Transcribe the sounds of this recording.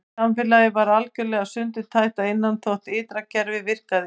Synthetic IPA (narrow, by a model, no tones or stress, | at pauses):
amfɛlajɪvaɾalcʏlɛɣasʏnt̪ʏt̪ʰaːjht̪aɪnːanθʰowht̪ɪːt̪ɾacʰɛɾvɪvɪr̥kaðɪ